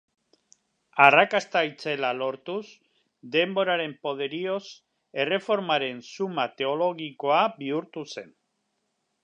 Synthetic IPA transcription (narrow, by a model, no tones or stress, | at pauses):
arakast̪ajt͡se̞lalo̞ɾt̪us | d̪e̞mbo̞ɾaɾe̞mpo̞ðe̞ɾio̞s | e̞re̞fo̞ɾmaɾe̞nsumat̪e̞o̞lo̞ɣiko̞abiuɾt̪use̞n